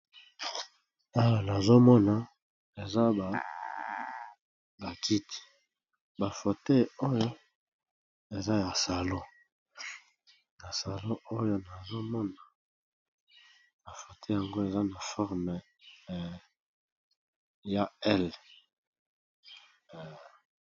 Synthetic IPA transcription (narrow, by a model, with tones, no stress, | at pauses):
a˦wa˨na˨zo˦mɔ˦na˨ | e˨za˦ba˨ | ba˨ki˦ti̥˨ | ba˨fo˨te˦o˦jo˦ | e˨za˦ja˨sa˨lo˦ | na˨sa˨lo˦ʔo˦jo˦na˨zo˦mɔ˦na˨ | ba˨fo˨te˦˨ja˨ŋɡo˦e˨za˦na˨fɔ˦ʁm˨ | ja˦ɛ˦l